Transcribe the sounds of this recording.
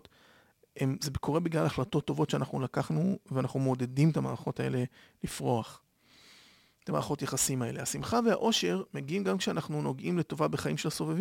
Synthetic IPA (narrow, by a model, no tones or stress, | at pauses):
t | emzebekʰo̞ʁebiɡlalaχlato̞t̪ːo̞vo̞tʃeanaχnulakaχnuveanaχnumeod̪e̞dimet̪ama̰ːʁχo̞tae̞̰le̞ | lifʁoaχ | t̪amaːχo̞tjaχasimae̞̰lehasimχavea̰ʔo̞ʃe̞ʁmeɡiimɡamkʃeanaχnuno̞ɡʔimle̞to̞vabeχaimʃelaso̞vev